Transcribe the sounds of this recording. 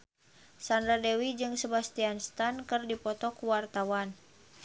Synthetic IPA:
sandɾadɛwid͡ʒɨŋsəbast̪ianst̪ankɨrdipɔt̪ɔkuwart̪awan

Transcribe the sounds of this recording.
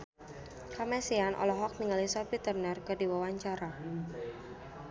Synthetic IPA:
kamɛsianʔɔ̰lɔɦɔk̚niŋalisɔpit̪ərnərkədiwawaɲt͡ʃaɾa

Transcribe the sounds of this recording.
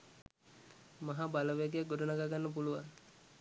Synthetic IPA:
maɦabaləʋæɡejak̚ɡoɖunaɡaɡanːəp̬uluʋaŋ

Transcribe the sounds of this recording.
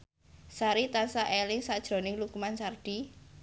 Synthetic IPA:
saɾit̪ansaʔelɪŋsad̥ʒ̥ɾo̤nɪŋlukumansarɖ̥i

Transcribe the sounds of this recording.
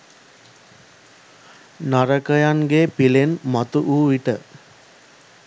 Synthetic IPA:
naɾəkəjaŋɡepilenmat̪uʔuːʋiʈə

